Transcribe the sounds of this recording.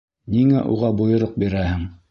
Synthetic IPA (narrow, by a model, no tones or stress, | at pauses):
niŋæʔṵʁɑbŏjŏɾoq̚biɾæhɘŋ